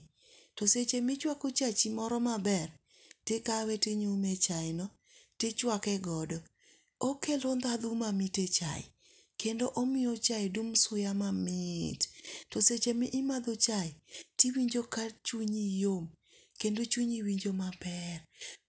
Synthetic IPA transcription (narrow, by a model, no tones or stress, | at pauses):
toset͡ʃemɪt͡ʃwakot͡ʃat͡ʃimɔɾɔmabɛr | tekaweteɲumet͡ʃaɪnɔ | tet͡ʃwakɛɡɔdɔ | okelond̪ad̪umamitet͡ʃa̰ɪ̰ | kendoʔomɪot͡ʃaɪdumsʊjamamɪttɔset͡ʃemɪʔɪmad̪ot͡ʃaɪtiwiɲd͡ʒokat͡ʃuɲijom | kendot͡ʃuɲiwiɲd͡ʒomapɛr